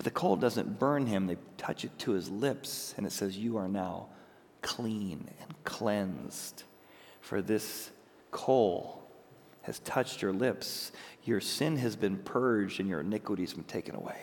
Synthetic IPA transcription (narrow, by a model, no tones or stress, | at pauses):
b̥ʌt̪̚ðɨkʰoʊlˠdʌzɨ̰̃nb̥ɜ̃˞nɪ̃mðeɪtʰʌt͡ʃɨtʰəɨzlɪpsɨ̃nɨtsɛzjɨə˞naʊ | kʰl̥ĩnɨ̰̃nkʰl̥ɛ̃nz̥d̥ | fə̰˞ðɪs | kʰoʊlˠ | ɨ̰z̥tʰʌt͡ʃt͡ʃə˞lɪpsjə˞sɪ̃nɨzbɨ̃npʰɜ˞d͡ʒdɨ̃njə̰˞ɨnɪkwəɾiz̥̃mtʰeɪkɨ̃nə̰wḛɪ